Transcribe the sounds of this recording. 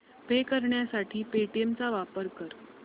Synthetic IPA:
pekəɾɳjasaʈʰiːpeʈiemt͡saʋapəɾkəɾ

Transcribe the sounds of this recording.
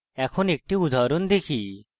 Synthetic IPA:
ɛkʰɔnek̚ʈiud̪ʱaɾund̪ekʰi

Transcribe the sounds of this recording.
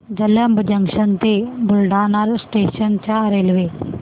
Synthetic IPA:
d͡ʒɐləmbəd͡ʒɐŋɡʃənt̪ebʊlɖaːnaɾsʈeːʃənt͡ɕaɐɾelʋe

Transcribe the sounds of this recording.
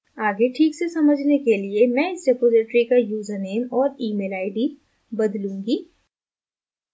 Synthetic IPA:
aːɡeʈʰiːksesɐməd͡ʒʱnekeliemɛ̃ːɪsɖepoːzɪʈɾikajuːzəneːnɔːɾiːmeːlaːɪɖi | bɐd̪lũːŋɡiː

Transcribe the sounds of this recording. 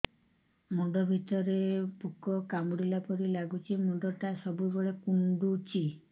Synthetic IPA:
muɳɖɔbʱit̪ɔɾepukɔkamuɽilapɔɾilaɡut͡ʃʰimuɳɖɔʈasɔbubɔɭekuɳɖut͡ʃʰi

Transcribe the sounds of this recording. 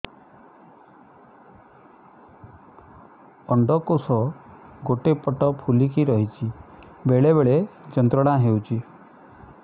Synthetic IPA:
ɔɳɖɔkosɔɡoʈepɔʈɔpʰulikiɾɔɦit͡ʃʰi | beɭebeɭed͡ʒɔnt̪ɾɔɽ̃aɦewt͡ʃʰi

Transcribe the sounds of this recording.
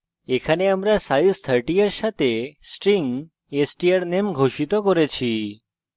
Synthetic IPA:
ekʰaneəmɾasajst̪ʰəɾʈijəɾʃat̪esʈɾiŋɡ | esʈiəɾnemɡʱoʃit̪ɔkɔɾet͡ʃʰi

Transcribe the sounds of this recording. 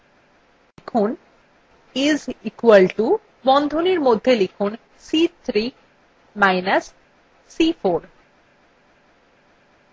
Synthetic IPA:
ekʰun | izikualʈu | bɔnd̪ʱoneɾmod̪ʱːelikʰun | sit̪ʰɾi | majnasː | ifoɾ

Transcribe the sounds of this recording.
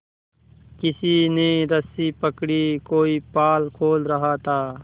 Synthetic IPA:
kɪsineːɾəsiːpəkɽiːkoːiːpaːlkʰoːlɾɐɦat̪ʰaː

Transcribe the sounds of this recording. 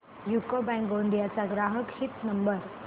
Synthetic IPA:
jukobɛ̃ŋkɡoɳɖ̪ijat͡saɡɾaɦəkhit̪nəmbəɾ

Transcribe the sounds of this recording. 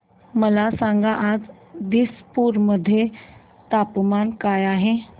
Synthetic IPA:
məlasãŋɡaʔad͡z | d̪ispuɾməd̪ʱːje | t̪apmankajaɦe

